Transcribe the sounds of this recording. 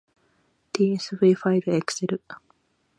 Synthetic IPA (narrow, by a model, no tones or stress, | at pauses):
d̪̥iːesɨbɯifaibɯ̟ekɯ̟̥seɾɯ̟